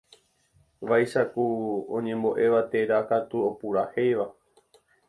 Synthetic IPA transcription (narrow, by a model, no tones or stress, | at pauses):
ʋajʃakuõ̰ɲẽ̞mboʔe̞ʋat̪e̞ɾakat̪uopuɾahejʋa